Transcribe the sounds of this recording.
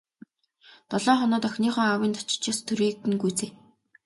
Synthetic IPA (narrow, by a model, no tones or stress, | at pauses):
t̪ɔɮɔːχɔnɔːt̪œxʲniːχɔːŋawiːnt̪ʰɔ̥t͡ɕɪ̥̆t͡ɕaːst̪ʰɵɾiːk̚t̪ɘ̆nɡujt͡seː